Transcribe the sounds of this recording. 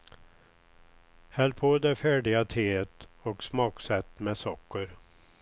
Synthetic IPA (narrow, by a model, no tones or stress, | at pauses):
hɛlpʰoːd̪ɛfæːɖɪɡat̪ʰeːt̪ɔksmɑːksɛt̪ːmɛsɔkːəɾ